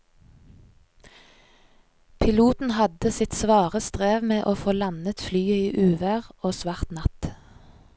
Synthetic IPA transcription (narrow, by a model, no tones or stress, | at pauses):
pʰɪluːt̪n̩hɑd̪əsɪt̪sʋɑːʁəst̪ʁeːʋmeːʔoːfoːlɑnət̪flyːəiːʔʉːʋæːʁoːsʋɑːʁt̪nɑt̪